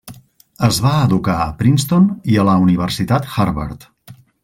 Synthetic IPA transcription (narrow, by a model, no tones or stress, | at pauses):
əzβaəðukaəpɾinst̪oniələuniβ̞ərsit̪at̪xaɾβa̰ɾt̪